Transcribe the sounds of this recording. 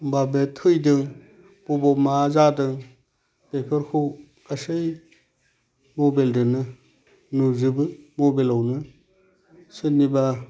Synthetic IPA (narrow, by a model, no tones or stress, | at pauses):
babetʰɯjdɯŋ | b̥obɔmazadɯŋ | pepʰəɾkʰɯw | kasɯj | mobeldɯnɯ | nuzɯbɯmobelawnɯ | sɯniba